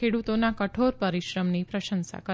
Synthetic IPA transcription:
eɽut̪onakəʈʰoɾpəɾiʃɾəmnipɾəʃənsa̰kə

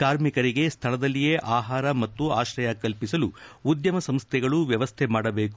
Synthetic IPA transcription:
kaːɾmikɐɾiɡe̞st̪ʰɐɭɐd̪ɐlːije̞ʔaːɦaːɾɐmɐt̪ːuaːʃɾɐjɐkɐlpisɐluːd̪jɐmɐsɐmst̪ʰɛɡɐɭuʋjɐʋɐst̪ʰɛmaːɽɐbe̞ːku

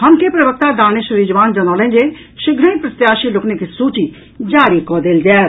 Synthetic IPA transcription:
hɐmkepɾɐʋək̚t̪ad̪aːñeʃʊɾiːd͡ʒʋaːnd͡ʒɐnaːlẽːnd͡ʒe | ʃɪɡʱɾə̃pɾɐt̪jaːʃilʊknekisuːt͡ʃi | d͡ʒaːɾikɔːd̪eːld͡ʒɛː

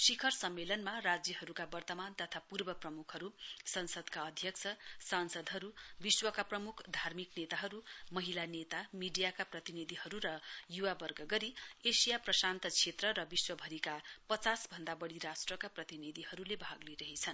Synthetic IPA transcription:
sikʰʌrsʌmːelʌnmarad͡zjʌɦʌɾukabʌrt̪ʌmant̪ʌt̪ʰapurbʌprʌmukʰʌɾusʌnsʌd̪kaʌd̪ʱjʌkt͡sʰʌsansʌd̪ɦʌɾubiswʌkaprʌmukʰd̪ʱarmiknet̪aɦʌɾumʌɦilanet̪amiɖijakaprʌt̪inid̪ʱiɦʌɾuɾʌjuwabʌrɡʌɡʌɾiesijaprʌsant̪ʌt͡sʰet̪rʌɾʌbiswʌbʱʌɾikapʌt͡sasbʱʌnd̪abʌɽiɾasʈrʌkaprʌt̪inid̪ʱihʌɾulebʱaɡliɾʌɦit͡sʰʌn

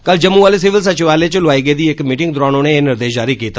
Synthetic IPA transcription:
kɐld͡ʒɐmːuʋaːles̬ɪʋəls̬ɐt͡ʃɪʋaːlet͡ʃəlʊʋaːiɡəed̪iekmiːʈɪ̃ŋɡ̚d̪ʊɾaːñoːneenɪɾd̪eːʃd͡ʒaːɾikiːt̪ʰa

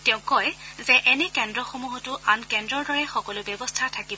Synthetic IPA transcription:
tɛʊ̃kɔjzɛʔɛnɛkɛndɹɔxomuɦɔtʊankɛndɹɔɹdɔɹɛxɔkɔlʊbjɔbɔstʰatʰakibɔ

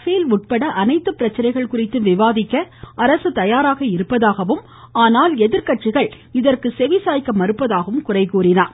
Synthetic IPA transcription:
feːlʊʈ̚pɐɽɐʔɐnɐɪt̪ːɐpɪɾɐt͡ʃːɐɾɐɪɣɐɭkʊrɪt̪ːɯʋɪʋaːðɪkːɐɐɾɐsɯt̪ɐjaːɾaːɣɐɪɾɯpːɐðaːɣɐʋɯm | aːnaːlɛðɪɾkɐʈt͡ʃɪɣɐɭ | ɪðɐrkɯsɛʋɪsaːjkːɐmɐɾɯpːɐðaːɣɐʋɯmkʊrɐɪkːuːrɪnaːɾ

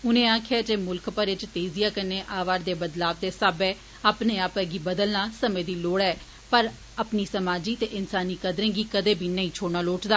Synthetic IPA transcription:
ʊnẽːaːkʰeːt̪eːmʊlkpəɾɪt͡ʃt̪eːzijaːkəɾneːʔaːʋaːɾd̪eːbəd̪laːbd̪eːsaːbɛː | aːpneːaːpəɡiːbəd̪əlnaːsəmẽːd̪iːloːɽɛː | pəɾ | aːpniːsəmaːd͡ʒiːt̪eːʔɪnsaːniːkəd̪ɾẽːɡiːkəd̪eːbʱiːnəĩːt͡ʃʰoːɽnaːloːʈd̪aː

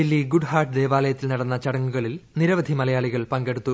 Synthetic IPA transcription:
ilːiɡuɖhaːʈɨd̪eːʋaːlɐjɐt̪ːilnɐɽɐnːɐt͡ɕɐɽɐŋːuɣɐɭilniɾɐʋɐd̪ʱimɐlɐjaːɭiɣɐɭpɐŋɡe̞ɽut̪ːu

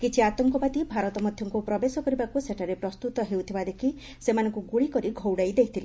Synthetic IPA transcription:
kit͡ʃʰiat̪ɔŋkɔpat̪ibʱaɾɔt̪ɔmɔd̪ʱjɔŋkupɾɔbesɔkɔɾibakuseʈʰaɾepɾɔst̪ut̪ɔɦewt̪ʰibad̪ekʰi | semanɔ̃ŋkuɡuɽikɔɾiɡʱɔwɽajd̪ekʰi̥t̪ʰile

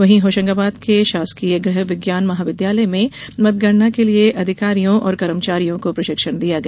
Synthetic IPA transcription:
ʋɐɦĩɦoːʃə̃ŋɡaːbaːd̪keʃaːskijəɡɾɐɦʋɪɡjaːnmɐɦaːʋɪd̪jaːləmẽmɐt̪̚ɡɐɾnakelieʔɐd̪ʱɪkaːɾijõʔɔ̰ːɾkɐɾəmt͡ʃaːɾijõkopɾɐʃɪkʃəɽ̃d̪ijaɡɐ

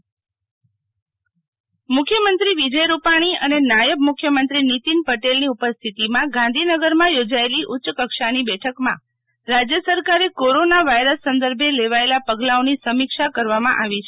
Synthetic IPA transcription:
mʊkʰjəmənt̪ɾiʋid͡ʒəjɾupaɽ̃iənenajəb̚mʊkʰːjəmənt̪ɾinit̪inpəʈelniupəst̪ʰit̪imãɡãnd̪ʱinəɡəɾmãjod͡ʒaeliʔʊtːʃəkəkʃanibɛʈʰəkmã̰ | ɾad͡ʒjəsəɾkaɾekoɾonaʋajɾəsːənd̪əɾbʱeleʋaelapəɡlaonisəmikʃakəɾʋamã̰ʔaʋit͡ʃʰe

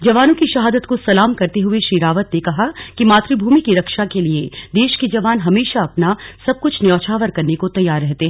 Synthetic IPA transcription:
d͡ʒɐʋaːnõkiʃɐɦaːd̪ət̪kosɐlaːmkɐɾt̪eɦʊeʃiːɾaːʋət̪nekɐɦakimaːt̪ɾibʱuːmikiɾɐkʃakelied̪eːʃked͡ʒɐʋaːnɦɐmeːʃaɐpnasɐb̚kʊt͡ʃʰnjɔːt͡ʃʰaːʋəɾkɐɾnekot̪ɐjːaːɾːɛɦt̪eɦɛ̃ː

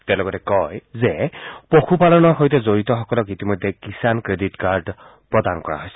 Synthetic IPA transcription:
tɛwlɔɡɔtɛkɔjzɛpoxupalɔnɔɹxojtɛzoɹitɔxɔkɔlɔkitimɔjdʱɛkisankɹeditkaɹd | pɹɔdankɔɹa̰ɦojsɛ̥

